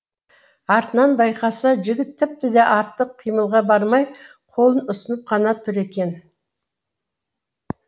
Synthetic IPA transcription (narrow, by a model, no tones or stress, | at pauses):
ɑɾt̪ənɑnbɑjqɑsɑʒɪɡʲɪt̪ʰːɪp̚t̪ɪd̪e̞ʔɑɾt̪ːəqʰːijməlˠʁɑbɑɾmɑj | qʰo̞lˠənʊsənəp̚qʰɑnɑt̪ʰʊɾe̞kʲe̞n